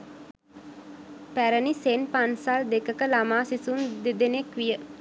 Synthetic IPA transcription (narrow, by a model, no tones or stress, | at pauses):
pæɾənisenpansald̪ekəkəlamaːsisund̪ed̪enekʋijə